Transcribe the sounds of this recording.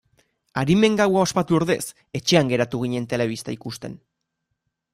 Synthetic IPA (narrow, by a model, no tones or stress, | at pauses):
aɾime̞ŋɡawao̞spat̪uoɾðe̞̰s | e̞t͡ʃe̞aŋɡe̞ɾat̪uɣ̞iɲe̞nt̪e̞le̞β̞ist̪aikust̪e̞̰n